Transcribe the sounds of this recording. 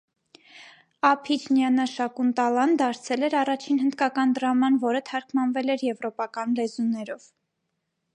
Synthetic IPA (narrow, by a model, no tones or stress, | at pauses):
ɑpʰid͡ʒʰnjɑnəʃɑkunt̪ɑlɑnd̪ɑɾt͡sʰɛlɛɾɑrɑt͡ʃʰinhənd̪kɑkɑnd̪ɾɑmɑnvɔɾət̪ʰɑɾkʰmɑnvɛlɛɾjɛvɾɔpɑkɑnlɛzunːɛɾɔv̥